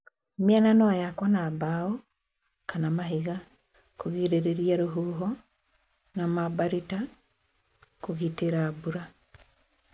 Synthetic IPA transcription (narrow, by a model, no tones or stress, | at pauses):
miananɔajakwanaːbaɔ | kanamaɦiɣa | koɣiɾeɾeɾiaɾoɦuːɦɔ | namabaɾita | koɣiteɾaːbuɾa